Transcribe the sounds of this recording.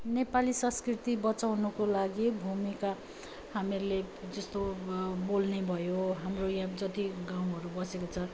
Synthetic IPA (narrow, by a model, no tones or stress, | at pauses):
nepalisʌ̃skrit̪ibʌt͡sawnukolaɡibʱumika | hamiɾuled͡zʌst̪obolnebʱʌjoɦamrojãd͡zʌt̪iɡaw̃ɦʌɾubʌsekot͡sʰʌ